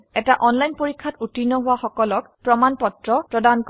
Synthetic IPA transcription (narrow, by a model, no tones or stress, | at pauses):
ɛtaʔɔnlajnpoɹikʰːatutinɔɦʊwaxɔkɔlɔkpɹɔmanpɔtɹɔpɹɔdank